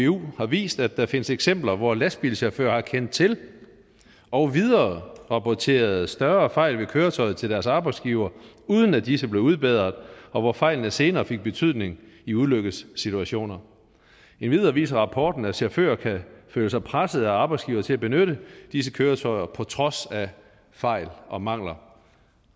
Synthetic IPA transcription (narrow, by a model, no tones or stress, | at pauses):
eṵːhɑ̈ʋḭːsd̥æd̥ɑfe̝nəseɡ̥sem̰b̥lɐʋɒlæsb̥ilɕæɐfø̰ːɐhɑ̈kʰen̰d̥t͡sʰe̝l | ɒ̽ʊʋiðˠɐːʁɑ̈pʰɒt͡sʰe̝̰ːɐð̞̩ˠsd̥ɶɐfɑ̈ɪ̰lʋe̝kʰøːɐt͡sʰɒ̽ɪð̩ˠt͡sʰe̝ld̥æɐsɑ̈ːb̥ɑ̈ɪ̥sɡ̥iʊɐ | uːð̞ˠən̩æd̥isəb̥le̝ʊuð̞ˠb̥eðˠɐðˠɒ̽ʋɒfɑ̈ɪlnəse̝ːnɐːfe̝ɡ̥̚b̥e̝t͡sʰyð̞̰ˠne̝ŋ | iuðˠløɡ̥əð̩ˠssːit͡sʰuæɕo̝̰ːnɐ | e̝nʋið̞ˠɐːʋḭːsɐʁɑ̈pʰɒːd̥n̩æɕæɐfø̰ːɐkʰæføləsɑ̈ɪpʰʁasəð̩ˠæɑ̈ːb̥ɑ̈ɪdsɡ̥iːʊɐt͡sʰe̝læb̥e̝nøɾəd̥is̬əkʰøːɐt͡sʰɒ̽ɪɐpʰɒ̽t͡sʰʁɒ̽sæ | fɑ̈ɪ̰lʔɒ̽mɑ̈ŋ̰lɐ